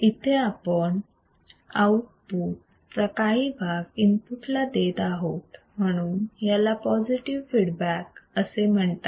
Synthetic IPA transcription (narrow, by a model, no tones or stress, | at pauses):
it̪ʰeapəɳ | awk̚put | pɾəkaɦiːbʱaɡimpuʈlad̪et̪aɦot̪ | m̤əɽ̃uːnjalapɔd͡ziʈiʋfiɽbækəsem̤əɳt̪a